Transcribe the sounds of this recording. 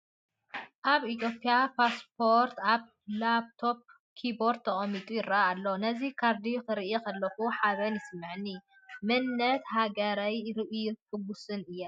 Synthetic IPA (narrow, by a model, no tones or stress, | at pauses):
ʔaβit̪ʰjo̞pʼːijapʰaspʰo̞ɾt̪aβ | labt̪ʰo̞p̚ | kʰiboɾt̪ʰːɐχʼɐmːit̪ʼujɪɾːaaːlːonɐzikʰaɾd̪ikɨɾɨʔjekʰɐlːɐxuħaβɐnjɪsɨmːɨʕnːi | mɨnːɐt̪haɡɐɾajɾɨʔjukʰɨbusɨnɨjːɐ